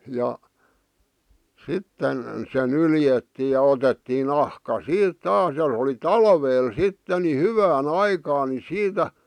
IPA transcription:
jɑ sitːen se nyljetːiː jɑ otetːiː nɑhkɑ siːt tɑːs jɑ oli tɑlʋeːl sitːe ni hyʋæːn ɑikɑːn ni siːtæ

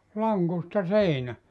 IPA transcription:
lɑŋkustɑ seinæ

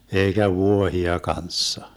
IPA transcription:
eikæ ʋuohiɑ kɑnsːɑ

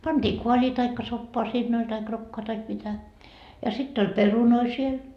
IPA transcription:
pɑnd̥iː koɑlʲiː tɑikːɑ sopːoɑ siːnː olʲ tɑik rokːoɑ tɑik mitæ jɑ sitː olʲ perunoi siel

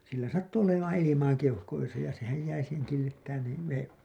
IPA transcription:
silːæ sɑtːu olemɑːn ilimɑː keuhkoisɑ jɑ sehæj jæi siːheŋ kilːitːæːn niː ʋeːm

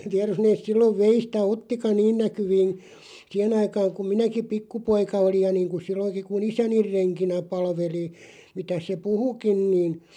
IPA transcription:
tiær jos neːs̆ silːoʋ ʋeistæ otːikɑ niːn nækyʋiːn̞ siːhen ɑikɑːŋ kum minæki pikːupoikɑ olij jɑ niːŋkun̞ silːoŋki kun isænir̆ reŋkinæ pɑlʋeli mitæs se puhukin niːn̞

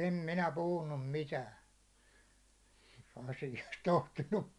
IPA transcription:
em minæ puhunːum mitæːn̞ ɑsijɑst tohtinːup

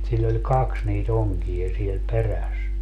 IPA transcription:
silː olʲ kɑks niːt oŋkij̆ɑ siel peræs

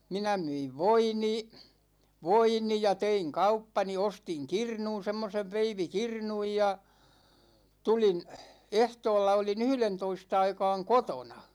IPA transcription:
minæ myiʋ ʋoini ʋoini jɑ teiŋ kɑupːɑni ostiŋ kirnun̞ semːoseʋ ʋeiʋikirnuj jɑ tulin ehtoːlːɑ olin yhlentoist ɑikɑːŋ kotonɑ

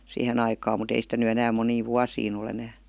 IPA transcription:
siːhen ɑikɑːm mut ei sitæ ny enæːm moniːʋ ʋuɑsiːn ol enæː

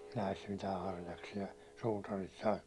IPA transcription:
næist mitæː hɑrjɑksiɑ suːtɑrit sɑːt

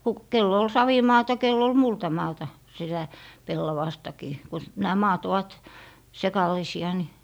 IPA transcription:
ku kelː ol sɑʋimɑːtɑ kelː ol multɑmɑːtɑ sitæ pelːɑʋɑstɑkiː ku næː mɑːt oʋɑt sekɑlɑ̆isiɑ ni

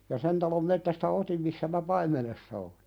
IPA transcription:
jɑ sen tɑlom metːæstæ otim misːæ mæ pɑimˑenesːɑ oli̥

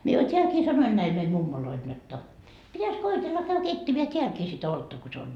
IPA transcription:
mie jo tʲeælkiː sɑnoin næil meim mumːoloil jotːɑ pitæs koitelːɑ kæy keitːemeæ teælkiː sit oltːɑ ko se on

